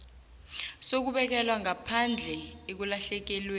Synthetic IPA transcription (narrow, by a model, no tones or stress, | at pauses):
sok̬uɓɛk̬ɛlwaŋʱapʰand͡ɮʱɛek̬ulaɬɛk̬ɛlweː